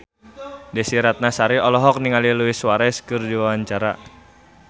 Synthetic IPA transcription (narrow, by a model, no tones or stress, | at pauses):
dɛsiɾat̪̚nasaɾiʔɔlɔɦɔk̚niŋaliluɪswaɾɛskɨrdiwawaɲt͡ʃaɾa̰